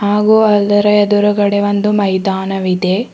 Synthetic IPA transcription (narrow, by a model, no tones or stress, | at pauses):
haːɡuːɐlːɐɾɐɛd̪uɾuɡɐɽeʋond̪umɐjd̪aːnɐʋid̪e